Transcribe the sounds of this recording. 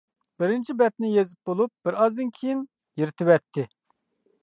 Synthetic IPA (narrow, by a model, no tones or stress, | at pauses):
b̥ɪɾɪnt͡ʃʰibɛt̪nɪjezɪp̚bolˠup̚b̥ɪɾɑzd̪ɨnkʲʰijin | jiɾt̪ʰɪvɛt̪ʰːɪ